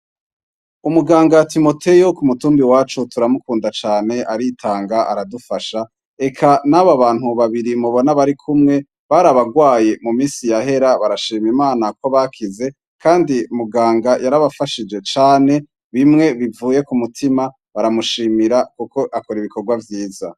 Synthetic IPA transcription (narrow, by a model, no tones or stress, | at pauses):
umuɡaːŋɡatimo̞tʰe̞jo̞kumutuːmbiwaːt͡ʃutuɾamukuːndat͡ʃaːne̞ʔaɾitʰaːŋɡaʔa̰ɾadufaʃa | e̞kʰanaβaβaːn̥huβaβiɾimuβo̞naβaɾikʰumŋe̞ | βaɾaβaɡwaːje̞mumiːsijaɦe̞ɾaβaɾaʃiːmimaːnak̚o̞βakʰize̞ | kʰaːndiumuɡaːŋɡajʔaɾaβafaʃid͡ʒe̞t͡ʃaːne̞ | βimŋe̞βivuːje̞kumutʰima | βaɾamuʃiːmiɾakuko̞ʔakoɾiβiko̞ɾɡwavjiːza̰